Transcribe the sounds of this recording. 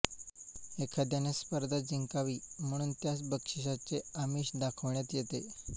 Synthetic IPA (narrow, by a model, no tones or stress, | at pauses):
ekʰad̪janespəɾd̪ʱad͡ziŋkaʋiːm̤əɽ̃uːnt̪jat͡sbəkʂiɕ̬at͡seəmiːɕd̪akʰəʋɳjat̪jet̪e